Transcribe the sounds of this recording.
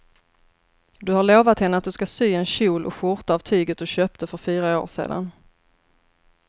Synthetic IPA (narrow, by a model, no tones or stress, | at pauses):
d̪ɵhaɭoːvat̪hɛnːəat̪̚d̪ɵskasyːɛnɕuːlʔɔ̰ɧʊɾt̪aavt̪ʰyːɡət̪̚d̪ɵɕøːp̚t̪əfœɾfyːɾao̰ːʂḛːd̪a̰n